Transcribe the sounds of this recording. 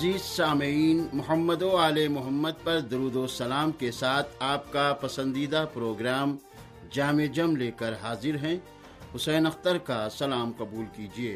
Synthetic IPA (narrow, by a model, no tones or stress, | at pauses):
ɐziːzsaːmiːnmʊɦəmːəd̪oaːlemʊɦəmːəd̪̚pɐɾd̪ɐɾuːd̪oːsɐlaːmkesaːt̪ʰaːpkapɐsə̃nd̪iːd̪apɾoːɡɾaːm | d͡ʒaːmeːd͡ʒɐmleːkəɾɦaːzɪɾɦɛ̃ | ɦʊsɛːnɐxt̪əɾkasɐlaːmqɐbuːlkiːd͡ʒieː